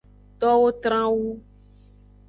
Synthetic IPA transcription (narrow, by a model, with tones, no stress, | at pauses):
t̪ɔ˦wo˦t̪ɾã˦wu˦